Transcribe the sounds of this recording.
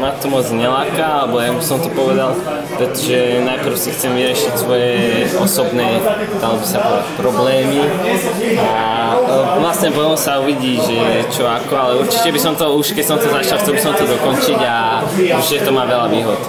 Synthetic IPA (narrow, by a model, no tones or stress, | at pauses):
nat̪ɔmɔd͡zɲɛlaːkaalɛbɔjaisɔmt̪ɔpɔʋɛd̪al | pɾɛt̪ɔʒɛnajpr̩ʊsixt͡sɛmʋiɾɪɛʃicsʋɔjɛɔsɔbnɛː | t̪alɔbisabɔdapɾɔblɛːmi | a | ʋlastɲɛpɔɔmsauʋiɟiːʒɛt͡ʃɔakɔalɛuɾt͡ʃicɛbisɔmt̪ɔuʃkɛcsɔmt̪ɔzat͡ʃalft̪ɛbisɔmt̪ɔd̪ɔkɔnt͡ʃiɟa | uʒɛt̪ɔmaːʋɛlaʋiːɦɔt̪